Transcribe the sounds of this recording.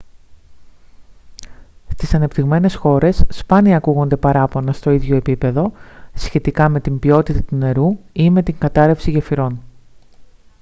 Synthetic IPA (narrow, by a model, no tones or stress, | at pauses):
st̪isɐne̞pt̪iɣme̞ne̞sxo̞ɾe̞sːpɐniɐːkuɣo̞nd̪e̞pɐɾɐpo̞nɐst̪o̞iðʝo̞epipe̞ðo̞sçe̞t̪ikɐme̞t̪imbio̞t̪it̪ɐt̪une̞ɾuime̞t̪iŋɡɐt̪ɐɾefsiʝefiɾo̞n